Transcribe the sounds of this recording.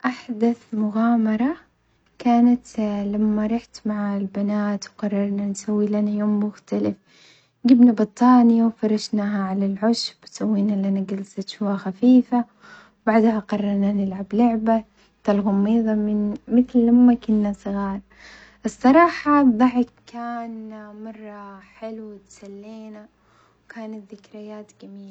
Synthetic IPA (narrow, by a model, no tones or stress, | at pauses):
ʔaħd̪aθmʊɣaːmɑɾˤɑ | kaːnat̪lamːaɾˤɑħt̪maʕalbanaːt̪wqɑrˤːɑɾˤnansawːilanajoːmːʊxt̪alɪf | ɡɪbnabɨt̪ˤːɑːnɪjawfɑɾˤɑʃnaɦaʕalalʕʊʃbsawːiːnalːʔanaɡalsat̪ʃʊaxafiːfa | baʕd̪haqɑrˤːɑɾˤnanɪlʕablʊʕba | t̪alɣʊmːiːðˤɑmɪnmɪθlːamːakʊnːasˤɨɣɑːɾˤ | ʔɨsˤːɑɾˤɑːħɑbðˤɑʕɪkkːaːnmɑrˤːɑħɪlwɪt̪salːieːna | wkaːnat̪ðɪkɾɪjaːt̪ɡamiːla